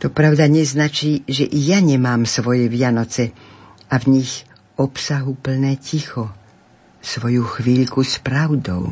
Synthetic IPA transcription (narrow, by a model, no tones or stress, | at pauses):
t̪ɔpɾaʊd̪aɲɛznat͡ʃiːʒɛʔijaɲɛmaːmsʋɔjɛʋɪanɔt͡sɛ | avɲiɣ | ɔpsaɦupl̩nɛːcixɔ | sʋɔjuxʋiːʎkuspɾaʊd̪ɔ̰ʊ